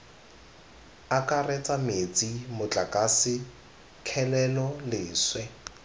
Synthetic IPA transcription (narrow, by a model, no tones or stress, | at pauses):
akʼarɛt͡sʼamet͡sʼimʊt͡ɬʼakʼasɪ | kʰɛlɛlɔlɪːswɛ